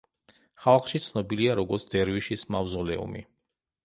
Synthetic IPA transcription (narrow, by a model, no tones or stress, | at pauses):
χalˠχʃit̪sʰnɔbiliaɾɔɡɔɾt̪sʰd̪ɛɾviʃismavzɔlɛṵmḭ